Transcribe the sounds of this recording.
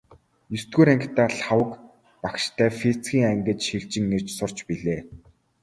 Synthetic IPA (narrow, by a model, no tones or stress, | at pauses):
jɵst̪ɡuːɾæŋkʰt̪aːɬawə̆k | pakʃt̪ʰæːfet͡sɡʲiːŋæŋɡə̆t͡ɕʃiɮt͡ɕɪ̆ŋːer̥t͡ɕsʊr̥t͡ɕpiɮeː